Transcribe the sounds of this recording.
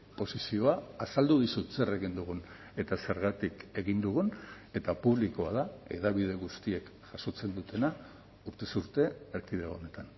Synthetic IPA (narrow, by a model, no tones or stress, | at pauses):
po̞sisio̞aːsald̪uðisut͡se̞re̞ɣind̪uɣun | e̞t̪ase̞ɾɣat̪ike̞ɣind̪uɣun | e̞t̪apuβ̞likoaðae̞̰ðaβ̞ið̞e̞ɣust̪ie̞kʝ̥aso̞t͡se̞nd̪ut̪ʰe̞na | uɾt̪e̞suɾt̪e̞ːɾkiðeone̞t̪an